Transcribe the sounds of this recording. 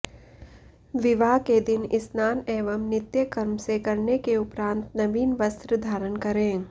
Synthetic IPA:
ʋɪʋaːked̪ɪnɪsnaːneːʋəmnɪt̪jəkɐɾmsekɐɾnekeʊpɾãːnt̪nɐʋiːnʋɐst̪ɾəd̪ʱaːɾənkɐɾẽː

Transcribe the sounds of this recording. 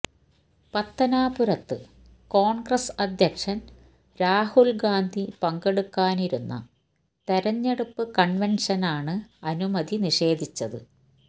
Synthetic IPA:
pɐt̪ːɐnaːpuɾɐt̪ːɨ | koːɳɡrɐsɐd̪ʱjɐkʂɐn | ɾaːhulɡaːnd̪ʱipɐŋɡeɽukːaːniɾunːɐ̰ | t̪ɐɾɐɲːeɽupːɨkɐɳʋenʂɐnaːɳɨɐnumɐd̪iniʂe̞ːd̪ʱit͡ɕːɐðɨ̰

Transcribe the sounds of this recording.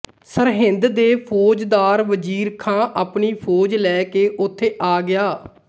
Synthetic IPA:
səɾɦɪ̃nd̪d̪eːpʰoːd͡ʒd̪aːɾʋəd͡ʒiːɾkʰãːʔaːpɳiːpʰoːd͡ʒlɛːkeːʔʊt̪ʰːeːʔaːɡɪjaː

